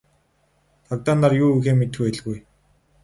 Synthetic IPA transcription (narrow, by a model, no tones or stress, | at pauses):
t̪ʰɔkt̪aːnarjuːuxeːmet̪xuːeɮɣuj